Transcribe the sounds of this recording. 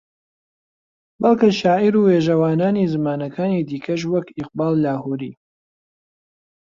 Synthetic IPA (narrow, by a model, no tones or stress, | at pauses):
bɐlˠkɨʃaːʔiɾuːweːʒɐwaːnaːniːzɨmaːnɐkʰaːniːd̪iːkʰɐʃ̬wɐkɪq̚bɑːlˠlaːhuɾiː